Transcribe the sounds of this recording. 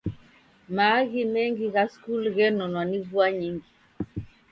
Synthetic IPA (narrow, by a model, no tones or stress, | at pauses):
maːɣimɛŋɡiɣaskulɣɛnɔnwanivuaɲiŋɡi